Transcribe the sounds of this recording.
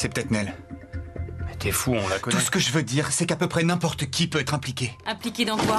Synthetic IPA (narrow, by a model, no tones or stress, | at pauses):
sɛpət̪ɛt̪nɛl | mɛt̪ɛfuɔ̃lakɔnuusə̥kəʒəvød̪iʁsɛkapøpχɛnɛ̃pɔʁt̪əkʲipøɛt̪χɛ̃plikʲeɛ̃plikʲed̪ɑ̃kwa